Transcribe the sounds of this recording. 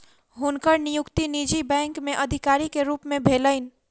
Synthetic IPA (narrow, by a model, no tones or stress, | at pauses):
ɦunkəɾnijukt̪inid͡ʒibɛ̃ŋkmeʔəd̪ʱikaɾikeɾupmebʱeləɪn̆